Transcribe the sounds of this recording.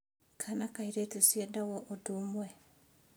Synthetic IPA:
kʰanakaiɾetusjedawɔʔodumwɛ

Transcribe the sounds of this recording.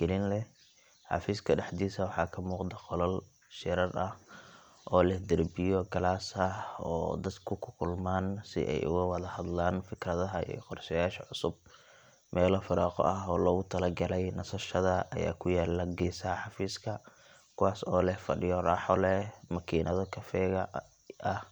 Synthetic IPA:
ɡ̥ɛlɪnlɛ | ħɑ̰fiːskʰɐɖɑħd̪iːsɐwɑħɑːkʰɐmuːqd̪ɐqɔlɐl | ʃɪɾɐrɐh | ʔɔːlɛhd̪ɐrbɪjɔɡɐlaːsɐhɔ̰ːd̪ɐd̪kʰʊkʰʊkʰʊlmaːnsɪ̰ʔɛ̰jʔʊ̰ɣʊwɑðɐhɐd̪laːnfɪkrɐðɐɦɐḭjɔqɔrʃɛjaːʃɐʕʊsʊb̚ | mɛːlɔfɪɾaːqɔ̰ʔɐɦɔːlɔːɣʊt̪ʰɐlɐɡɐlɛjnɐsɐʃɐðɐʔɐja̰ːkʰʊjaːlːɐɡɛːsaħɑfiːskʰɐ | kʰʊwaːsɔːlɛhfɐ̰ɖɪjɔraːħɔlɛmɐkʰiːnʔɐðɔkʰɐfɛːɣɐ | ʔɐh

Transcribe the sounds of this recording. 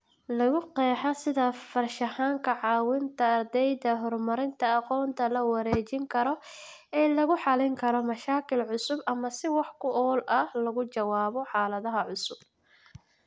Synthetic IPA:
lɐɣʊqɛːħɐsɪðɐfɐrʃɐhaːŋkʰɐʕɑːwɪnt̪ʰɐːrd̪ɛjd̪ɐɦɔrmɐɾɪnt̪ʰɐɑqɔːnt̪ʰɐlɐwɐɾɛːt͡ʃɪŋkʰɐɾɔ | ɛːlɐɣʊħɑlɪŋkʰɐɾɔmɐʃaːkʰɪlʕʊsʊbʔɐmɐsɪwɑħkʰʊʔɔːlʔɐhlɐɣʊt͡ʃɐwaːβɔħɑːlɐðɐɦɐʕʊsʊb̥̚

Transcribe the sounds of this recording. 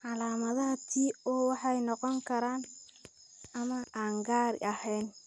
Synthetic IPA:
ʕɑlaːmɐðɐɦɐt̪ʰiːɔːwɑħɑjnɔqɔŋkʰɐɾaːn | ɐmɐʔaːŋɡaːɾ̰ʔɐhɛjn

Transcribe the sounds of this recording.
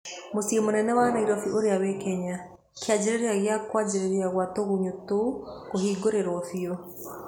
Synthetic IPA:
mosiemonɛnɛwanaiɾɔfiʔoɾeawɛkɛɲa | kead͡ʑeɾeɾeaɣeakwad͡ʒeɾeɾeaɣwatoɣuɲotoukoɦiːɡoɾeɾwɔfiɔ

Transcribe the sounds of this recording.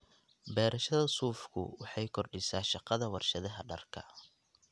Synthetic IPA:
bɛːɾɐʃɐðɐsuːfkʰʊ̰wɑħɑjkʰɔrɖɪsaːʃɑqɑðɐwɑrʃɐðɐɦɐɖɐrkʰɐ

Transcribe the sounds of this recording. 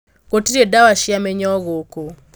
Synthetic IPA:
ɣotiɾɛdawaʃiamɛɲɔɣoko

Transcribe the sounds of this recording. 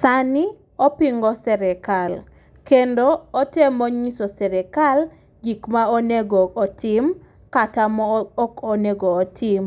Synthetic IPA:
sani | ɔpiŋɡɔsɛɾɛkal | kendoːtemɔɲisɔsɛɾɛkal | ɡikmaoneɡɔːtʰɪm | katamɔɔkɔneɡɔːtʰɪm

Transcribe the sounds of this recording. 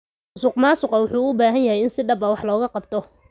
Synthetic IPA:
ʊsʊqmaːsʊqɑwʊħuːʊbaːɦɐnjɐɦɛjɪnsɪɖɐbɐwɑħlɔːɣɐqɑbt̪ʰɔ

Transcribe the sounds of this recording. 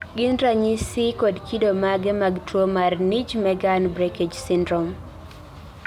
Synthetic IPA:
ɡɪnɾaɲisikɔdkidomaɡɛmaɡtwomarnid͡ʒmɛɡanbɾɛked͡ʒsɪndɾɔm

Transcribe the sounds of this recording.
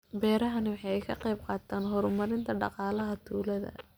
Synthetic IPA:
bɛːɾɐɦɐnɪwɑħɑɛjkʰɐqɑjb̚qɑːt̪ʰaːnɦɔːɾmɐɾɪnt̪ʰɐɖɑ̰qɑːlɐɦɐt̪ʰuːlɐðɐ̰

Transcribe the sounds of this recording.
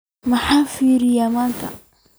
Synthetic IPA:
mɐħaːfiːɾɪjaːmaːnt̪ʰɐ̰

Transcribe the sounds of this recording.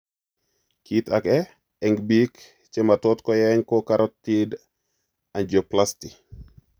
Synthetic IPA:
kitakɛ | ɛŋbik | t͡ʃematɔtkɔjɛɲkokaɾɔtːid | and͡ʒoplasti

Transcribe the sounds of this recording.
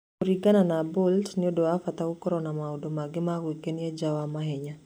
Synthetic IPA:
oɾiɡananaboltnɪodoafat̪aukɔɾɔnamaodomaɡɪmawikenjad͡ʒawamaɦɛɲa

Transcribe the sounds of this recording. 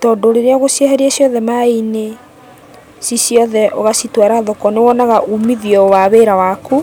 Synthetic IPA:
tɔdoɾeɾeaɣosjahɛɾiɛsjɔðɛmaine | sisjɔðɛʔoɣasitwaɾaðɔkɔnewɔnaɣaʔumiðiɔwaβeːɾawaku

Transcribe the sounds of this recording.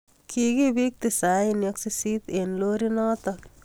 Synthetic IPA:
kʰiɡibik̚t̪ɪsajinjɐksisit̪enloːɾinɔt̪ɐk

